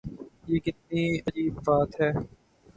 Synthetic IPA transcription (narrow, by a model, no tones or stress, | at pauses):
jeːkɪt̪̚niɐd͡ʒiːbbaːt̪ɦɛː